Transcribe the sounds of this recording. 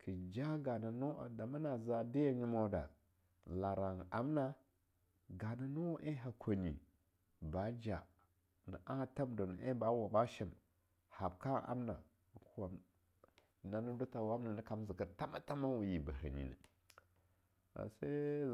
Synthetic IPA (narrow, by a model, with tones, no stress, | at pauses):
kʰə˨d͡ʒa˦ɡa˨na˨nu˦˨da˨ma˦na˨za˨di˦ja˦ɲi˦ma˦da̰˨ | la˨ɾa˨ŋa˨˦mna˦ | ɡa˨na˨nu˦wʔe˦ɦa˨kʰʷo˨ni˨ | ba˨˦d͡ʒa˨ | nə̰˨ʔa˦ta˦mdo˨nə˨ʔe˦ba˨˦wa˨ba˦ʃi˦˨m | ha˨b̚ka˦ʔa̰˦mna˨ | ku˦wa˨m | na˦nə˦du˦ta˨wa˦mna˨nə˦ka˦m˦zi˨kə˨ɾta˦ma˦ta˦ma˦wu˨ji˨bə˨ɦə̰˨nḭ˨na̰˨ | a̰˨sa˦